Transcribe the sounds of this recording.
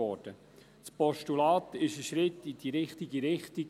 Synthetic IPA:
ɔːd̥ə | spɔʃtulɑːt̪ɪʃəʃɾɪtːidiɾɪχtiɡiɾɪχti

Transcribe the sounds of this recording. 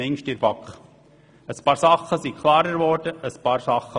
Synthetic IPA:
ɛŋʃtɪɾbɑkχ | əspɑːɾsɑχːəsikʰlˠɑːɾəɾvɔɾdəəspɑːɾsɑχə

